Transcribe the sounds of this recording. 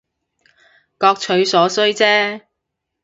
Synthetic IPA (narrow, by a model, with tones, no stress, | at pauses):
kɔː˧k̚t͡ʃʰɵ˨˧ɥsɔː˨˥sɵ˥ɥt͡sɛː˥